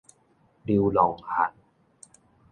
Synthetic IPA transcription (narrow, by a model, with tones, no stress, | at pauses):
di˧wlɔː˨˦ŋhʰa̰˨˩˦n